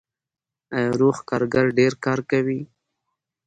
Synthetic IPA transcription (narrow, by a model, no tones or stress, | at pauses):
ajɾuxkɑɾɡaɾɖeɾkɑɾkawi